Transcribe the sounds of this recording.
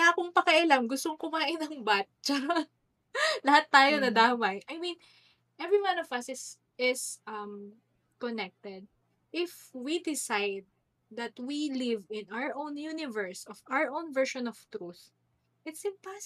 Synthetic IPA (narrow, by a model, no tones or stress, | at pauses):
aːkʊŋpɐkɐʔɪlamɡʊst̪oŋkʊmaːʔɪnɐŋbat͡ʃɐ | lɐhat̪ːaːjonɐd̪aːmɐjʔɐjmĩn | ʔɛvɹiwanɔvɐsɪs | ɪsʔɐm | kɔnɛk̚t̪ɛd̪̚ | ʔɪfwid̪ɪsajd̪̚ː | ɐt̪wilɪvɪ̃nʔawəɹʔõwnjunɪvɛɹsɔvawəɹʔownvɛɹʃɔ̃nɔv̥t̪ɾuθ | ʔɪt̪sɪmpas